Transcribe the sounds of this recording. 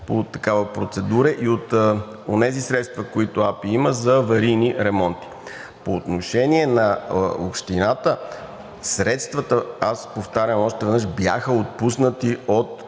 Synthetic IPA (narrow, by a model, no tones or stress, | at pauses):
pot̪ɐkavəpɾot̪sɛd̪uɾɛʔiot̪ | onɛzisɾɛt̪st̪vɐkoit̪ʊapiiməzɐvɐɾiniɾɛmɔnt̪i̥ | poːt̪noʃɛniɛnɐopʃt̪inat̪ə | sɾɛt̪st̪vɐt̪əaspoft̪aɾʲjəmɔʃt̪ɛvɛd̪nəʃbja̰xəot̪̚pusnət̪iot̪